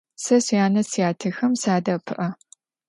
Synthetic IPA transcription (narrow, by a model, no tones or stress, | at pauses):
sɐsijaːnɐsijaːtʰɨxɐmsaːdɐpʰɨʔɐ